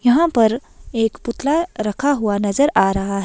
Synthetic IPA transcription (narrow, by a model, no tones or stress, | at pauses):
jɐɦãpɐɾeːkpʊt̪laɾɐkʰaɦuanɐzəɾaːɾɐɦaɦɛ